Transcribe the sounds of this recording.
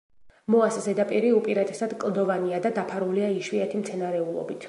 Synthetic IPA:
mɔaszɛd̪apʼiɾiupʼiɾat̪ʰʼɛsad̪kʼlˠd̪ɔvaniad̪ad̪apʰaɾuliaiʃwiɛt̪ʰimt̪sʰɛnaɾɛulˠɔ̰bit̪ʰ

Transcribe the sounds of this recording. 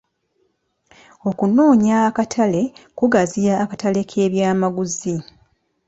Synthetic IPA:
o̞kuno̞ːɲaːkatʰale̞kuɡazijaːkatale̞kʰe̞ːβjaːmaɡuzi

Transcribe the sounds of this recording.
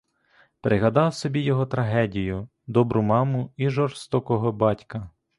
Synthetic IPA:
pɾʔɪɦɐd̪ɑwsɔbʲijɔɦɔt̪ɾɐɦɛdʲijʊ | d̪ɔbɾʊmɑmʊiʒɔrst̪ɔkɔɦɔbɑtʲkɐ

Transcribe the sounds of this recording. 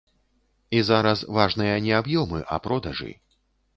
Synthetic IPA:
izaɾɐsvaʐnɨjɐnʲɛabjɔmɨʔɐ̰pɾɔd̪ɐʐɨ̰

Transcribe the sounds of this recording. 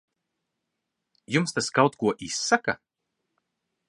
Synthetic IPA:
jumst̪askawt̪kuɔʔisːaka̰

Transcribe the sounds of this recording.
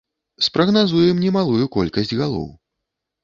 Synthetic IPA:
spɾɐɣnazujɛmnʲɛmalˠujukɔlʲkɐsʲd͡zʲɣalˠɔ̰w

